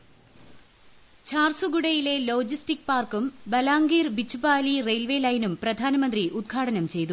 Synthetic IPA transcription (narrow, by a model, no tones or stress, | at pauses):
t͡ɕʰaːrsuɡuɽɐjile̞lo̞ːd͡ʑistikpaːrkumbɐlaːŋɡiːrbit͡ɕːubaːlirejlʋeːlɐjnumprɐd̪ʱaːnɐmɐnd̪riʔud̪̚ɡʰʱaːɽɐnɐmt͡ɕe̞jt̪u